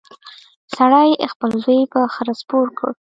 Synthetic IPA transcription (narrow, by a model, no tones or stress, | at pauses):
saɽajxpəlzəjbaxəɾaspoɾkə̰ɽ